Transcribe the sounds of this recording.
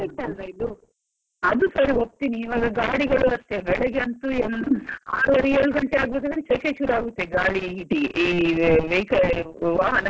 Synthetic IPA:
ɐʈɐnɾɐjd̪u | ɐd̪usɐɾiop̚t̪iniːʋaːɡɐɡaːɽiɡɐɭuɐst̪eːʋɛɭɐɡeɐnt̪uːema̰ːlɐɾijɐlukɐɳʈeaːɡut̪ɐkɐɽit͡ʃɐt͡ʃeːt͡ʃuɾaːɡut̪ːeːɡaːɽiiʈiiːʋejkɐʋaːɦɐnɐ

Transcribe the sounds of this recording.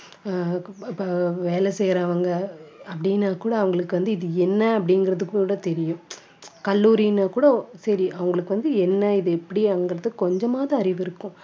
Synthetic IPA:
pːɐʋeːlɛsɛjɾɐʋɐŋɡɐɐpːɐɽinːaːkuːɽɐɐʋɐŋɡɐɭɯkːɯʋɐnd̪ɯɪðɯɛnːɐɐpːɐɽɪŋɡɪɾɐðɯkːuːɽɐt̪ɛɾɪjʊ̃ | kɐlːuːɾɪjnaːkuːɽɐsɐɾiʔɐʋɐŋɡɐɭɯkːɯʋɐnd̪ɯɛnːɐɪðɯɛpːɐɽiɐʋɐŋɡɐɾɐðɯkːɔɲd͡ʒɐmaːðɐ̃ɐɾɪʋɪɾɯkːʊ̃

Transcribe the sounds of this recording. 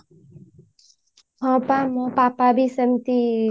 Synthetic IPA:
ɦɔ̃pamɔ̃papabisəmt̪i

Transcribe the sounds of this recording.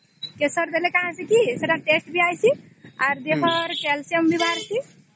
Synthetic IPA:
kesəɾd̪elekaɦãsekiseɽaʈesʈbʱiajsʰi | aɾd̪ebəɾkɛlsiəmbʱibʱaɾsi

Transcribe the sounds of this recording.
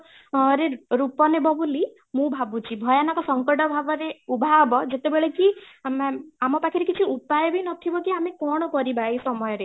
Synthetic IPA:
ɾeɾupɔnebɔbuli | mũbʱabut͡ʃʰibʱɔjanɔkɔsɔŋkɔʈɔbʱabɔɾeubʱabɔd͡ʒet̪ebeɭeki | amɔpakʰiɾekit͡ʃʰiupajɔbʱinɔt̪ʰibɔkiamekɔɽ̃ɔkɔɾibaejsɔmɔjɔɾe

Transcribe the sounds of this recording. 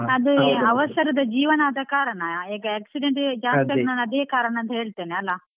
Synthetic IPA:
ɐd̪uɐʋɐsɐɾɐd̪ɐd͡ʒiːʋɐnaːd̪ɐkaːɾɐɳɐeːɡɐeːksiɖeɳʈd͡ʒaːt̪ɐɡnaːnɐd̪eːkaːɾɐɳɐɐnt̪ɐɦeːɭt̪eːneɐlːa

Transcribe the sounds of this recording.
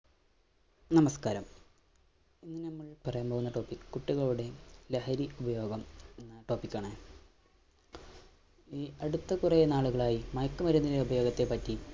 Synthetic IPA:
nɐmɐskaːɾɐm | inːɨnɐmːɐɭpɐrɐjaːmpoɣunːɐʈo̞ːpːikːɨkuʈːiɣɐɭuɽe̞leɦɐɾiubɐjo̞ːɡɐmenːɨʈo̞ːpikːaːɳɨ | iːɐɽut̪ːɐkurɐjɐnaːɭuɣɐɭaːjimɐjkːumɐɾunːileubɐjo̞ːɡɐt̪ːe̞pɐtːi

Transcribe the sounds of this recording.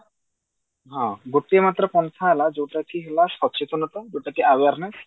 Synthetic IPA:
ɦãɡoʈiemat̪ɾəkɔnsʰaɦlad͡ʒeʈakiɦelasɔt͡ʃit̪ɔnɔt̪ɔd͡ʒeʈakiawaɾnes

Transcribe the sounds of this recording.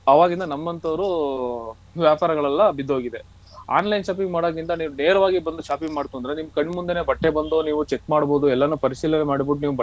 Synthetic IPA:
ɐʋaːɡind̪ɐnɐmːɐnt̪ɐʋɾu | ʋjaːpaːɾɐɡɐɭɐlːɐbid̪oːɡid̪e̞ | a̰ːnlɐjnʃaːp̬iŋɡmaːɽoːɡind̪ɐniːʋuneːɾɐʋaːɡibɐnd̪uʃaːpiŋɡmaːɽt̪uːnd̪ɾenimːɐkɐɳɖmund̪ene̞ːbɐʈːe̞bɐnd̪oːniːʋut͡ʃekːmaːɽbo̞ːd̪uɛlːɐnupɐɾiʃiːlɐnemaːɽibod̪uniːʋubɐ

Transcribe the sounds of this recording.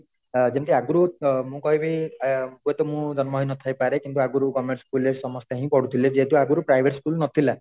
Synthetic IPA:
d͡ʒent̪iaɡuɾumũkɔɦibʱikuet̪ɔmũd͡ʒɔnmɔɦinɔt̪ʰajpaɾekint̪uaɡuɾukɔmeɾskulesɔmɔst̪eɦĩpɔɽut̪ʰiled͡ʒeːt̪uaɡuɾupɾajbʱeʈskulnɔt̪ʰila

